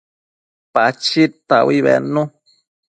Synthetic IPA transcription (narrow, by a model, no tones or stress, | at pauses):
pat͡ʃit̪awiβɛ̰nũ